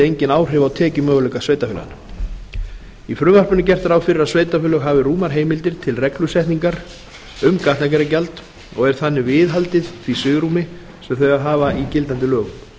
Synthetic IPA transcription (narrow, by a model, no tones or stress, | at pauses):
ejɲcɪnaːwr̥ɛvawt̪ʰɛːcʏmœːɣʏlœːkasveːjt̪afʏːl̰a̰n | ifɾʏmar̥pʏnːɪc̬ɛr̥t̪aɾawfɪɾɪɾasveːjt̪afʏːlœɣɦaːvɪɾruːmaɾ̥ɦeːjmɪlt̪ɪɾ̥t̪ʰɪlrɛklʏsɛht̪niŋkaɾ | ʏmkaht̪nak̬ɛɾacalt̪ | ɔɣɛɾ̥θanːɪvɪːðɦalt̪ɪðθvisʏːɣɾumɪ | sɛmθœɥaðɦaːvaicɪlt̪ant̪ɪlœːɣʏm